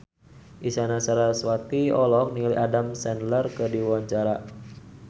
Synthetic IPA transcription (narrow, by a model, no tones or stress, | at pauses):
ʔisanasaɾaswat̪iɔlɔk̚niliʔadamsɛnlərkədiwaɲt͡ʃaɾa